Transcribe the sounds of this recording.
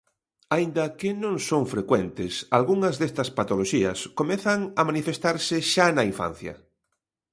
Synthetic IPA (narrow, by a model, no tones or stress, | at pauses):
aind̪ɐkɪnõŋsõŋfɾekwɛnt̪ɪsalɣuŋɐzðest̪ɐspat̪oloʃiɐ̰skomeθɐŋɐmanifest̪aɾsɪʃanɐiɱfã̰n̟θjɐ̰